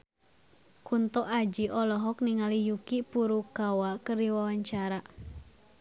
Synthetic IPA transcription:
kunt̪ɔʔad͡ʒiʔɔlɔɦɔk̚niŋalijukipuɾukawakərdiwawaɲt͡ʃaɾa

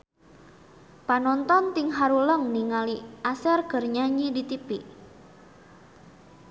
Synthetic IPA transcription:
panɔnt̪ɔnt̪iŋɦaɾuləŋniŋaliʔasɛrɡ̥ə̤rɲaɲidit̪ipḭʔ

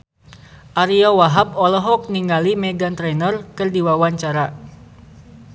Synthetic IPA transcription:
ʔaɾiawaɦapɔlɔɦɔk̚niŋalimeɡant̪ɾɛnərkɨrdiwawaɲt͡ʃaɾa

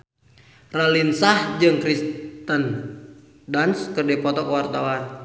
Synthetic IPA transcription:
ralinsahd͡ʒɨŋkɾist̪ən | danskərdɛpɔt̪ɔkəwart̪awa

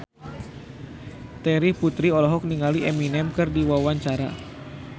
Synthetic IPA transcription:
t̪ɛɾiput̪ɾiɔlɔɦɔk̚niŋaliʔɛminɛmkɨrdiwawaɲt͡ʃaɾa̰

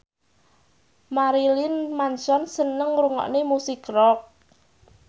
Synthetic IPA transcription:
maɾilɪnmansɔnsənəŋɾuŋɔ̰ʔnemusikrɔk̚

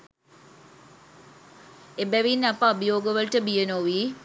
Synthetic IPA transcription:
ebɛʋinːɐpːɐːbɐjoːɡəʋɐlʈəbijənoʋi

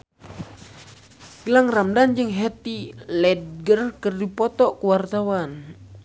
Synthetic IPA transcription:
ɡilaŋramdand͡ʒɨŋɦɛt̪ilɛd̚ɡərkərdipɔt̪ɔʔkuwart̪awan

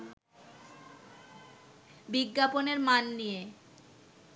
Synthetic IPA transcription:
biɡːaponeɾmanːije

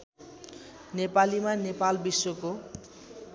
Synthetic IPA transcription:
nepalimanepalbiswoko

